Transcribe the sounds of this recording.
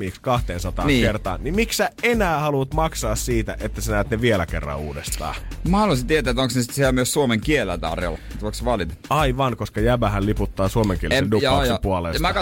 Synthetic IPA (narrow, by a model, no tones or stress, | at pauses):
iːkskɑht̪eːnsɑt̪ɑ̰ːnikert̪ɑ̰ːnnimiksæenæːhɑlut̪mɑksɑːssiːt̪æʔet̪ːæsenæːt̪neʋielækerːɑ̰uːdest̪ɑ̰ːmɑhɑloisit̪iet̪æːet̪oŋksnesi̥t̪sieɛlmyøssuomeŋkielæ̰t̪ɑ̰rjo̰let̪okseʋɑlit̪ɑɑiʋɑnkoskɑjæbæɦælliput̪ːɑːsuomeŋkielsenduɑksepuɑleːsmækɑ